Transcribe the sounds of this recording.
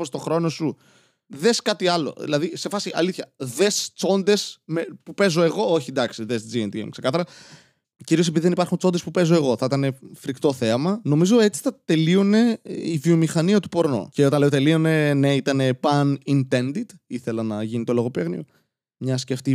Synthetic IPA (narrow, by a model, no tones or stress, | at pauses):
ost̪o̞xɾo̞no̞su | ðe̞skɐt̪iɐlo̞̰ðḭlɐðise̞fɐsiʔɐ̰liθçɐðe̞st͡so̞nd̪e̞smepupe̞zo̞e̞ɣo̞oçiend̪ɐksiðesd͡zient̪iḛmkse̞kɐθɐɾɐ | ciɾiosepiðiðe̞nipɐɾxunt͡sod̪espupe̞zoe̞ɣo̞θɐit̪ɐne̞fɾikt̪o̞θeɐmɐno̞mizo̞e̞t͡si̥θɐt̪e̞lione̞ivio̞mixɐniɐt̪upo̞ɾno̰ce̞o̞t̪ɐnle̞o̞t̪elione̞neit̪ɐne̞pɐnint̪e̞nd̪it̪iθe̞lɐnɐʝinit̪o̞lo̞ɣo̞peɣnio | mɲɐsceft̪i